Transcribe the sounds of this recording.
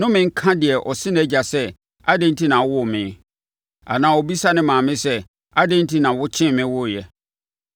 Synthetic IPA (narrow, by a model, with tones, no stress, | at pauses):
nʊ̃˦mɪ̃˨ŋ̩˦kʰã˦dɪ˨ɛ˨ʔɔ˨sɪ˦ñɛ˦d͡ʑa˨sɛ˦ | a˦dẽ˦nti˦nã˨wʊ˦˨mɪ̃˨ | a̰˨nãː˨ɔ˨bi˦sa˦nɪ̃˦mãː˨mɪ̃˦sɛ˦ | a˦dɛ̃˦ntʰi˦nã˨wʊ˦t͡ɕʰɪ̃˦mɪ̃˦wʊ˦˨jɛ˨